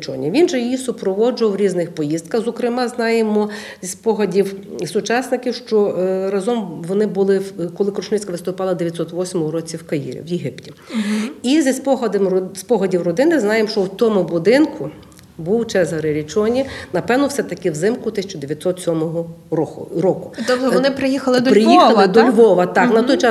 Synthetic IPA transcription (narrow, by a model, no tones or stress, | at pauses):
t͡ʃɔ̰nʲiʋʲinʒɛjijisʊpɾɔʋɔd͡ʒʊʋɐwɾʲiznɪxpɔjizd̪̚kɐxzɔkɾɪmɑznɑjemɔ | zʲispɔɦɐdʲiwsʊt͡ʃɑsnɪkɪwʃt͡ʃɔɾɐzɔmʋɔnɪbʊlˠɪkɔlˠɪkɾɔʃnɪt͡sʲkɐʋɪst̪ʊpɑlˠɐd̪eʋʲjɐt̪ʲsɔt̪ʋɔsʲmɔʊɾɔt͡sʲiwkɐjḭɾʲḭwjeɦɪptʲi̥ | izʲispɔɦɐd̪mspɔɦɐdʲiwrɔd̪ɪnɪznɑjemʃt͡ʃɔwt̪ɔmʊbʊd̪ɪnkʊ | buwt͡ʃɛzɦɐɾeɾʲit͡ʃɔnʲinɐpɛwnɔwsɛt̪ɐkɪwzɪmkʊt̪ɪsʲɐ̥t͡ʃɔd̪eʋjɐt̪sɔt̪sʲɔmɔɦɔɾɔʊɾɔkʊɔnɪpɾɪjixɐlˠɪd̪pɾɪjiɐlˠd̪ɔlʲʋɔʋɐt̪ɑknɐt̪ɔjt͡ʃɑ